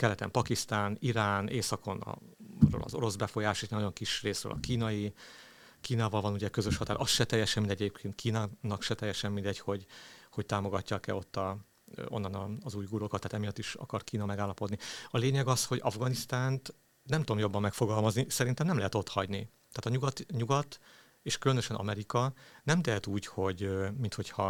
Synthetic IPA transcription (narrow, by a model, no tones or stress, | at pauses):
kɛlɛt̪ɛ̰mpɒkist̪aːniɾaːneːsɒko̞nɒ̰ | ro̰ːlɒ̰zo̞ɾo̞zbɛfo̞jaːʃeʃnɒɟo̞ŋkiʃreːsrø̰ːlʔɒ̰kiːnɒji | kiːnaːvɒlvɒnuɟɛkø̞zøʃhɒt̪aːɾʔɒst̪ʃɛt̪ɛjːɛʃɛmind̪ɛɟeːpkʰeːnt̪̚kʰiːnɒnɒkʃɛt̪ɛjːɛʃɛmːind̪ɛɟho̞ɟho̞c̚t̪aːmo̞ɡɒcːɒkɛ̰o̞t̪ːɒ | o̞̰nːɒnɒːzuːjɡuɾokɑt̪ːaːt̪ɛmijɒt̪ːiʃɒ̰kɒrt̪kiːnɒmɛɡaːlːɒpo̞d̪niɒleːɲɛɡɒsho̞ɟɒvɡɒnist̪aːnt̪ | nɛmt̪uomjo̞bːɒmːɛkfo̞ɡɒlmɒznisɛɾint̪ɛmnɛmlɛɦɛt̪o̞t̪hɒ̰ɟni | t̪ɛːt̪ɒɲuɡɒt̪ɲuɡɒt̪ | eːʃkylønøʃɛnʔɒ̰mɛɾikɒnɛmt̪ɛɦɛt̪uːcho̞ɟmint̪ho̞chɒ